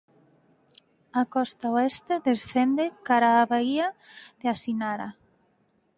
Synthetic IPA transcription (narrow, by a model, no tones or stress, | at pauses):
akɔst̪aoest̪eðesθend̪ekaɾaːβaiað̥easinaɾa̰